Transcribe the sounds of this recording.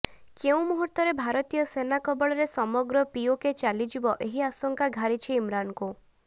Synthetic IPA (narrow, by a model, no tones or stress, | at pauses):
keũmuɦuɾt̪ɔɾebʱaɾɔt̪ijɔsenakɔbɔɭɔɾesɔmɔɡɾɔpioket͡ʃalid͡ʒibɔʔeɦiasɔŋkaɡʱaɾit͡ʃʰiimɾanku